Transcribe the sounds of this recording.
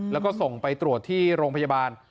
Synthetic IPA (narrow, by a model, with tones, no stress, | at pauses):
lɛː˦˥wkɔː˥˩so˨˩ŋpa˧jt̪ɾu˨˩ət̪ʰːiː˥˩ɾoː˧ŋpʰa˧jaː˧baː˧n